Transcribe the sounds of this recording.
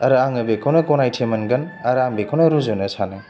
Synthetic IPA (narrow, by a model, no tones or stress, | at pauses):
ɐɾaŋɐbekʰɐwnɐkɔnajtʰemɐnɡɐnɐɾaŋbekʰɐwnɐɾuzonɐsʰanɐ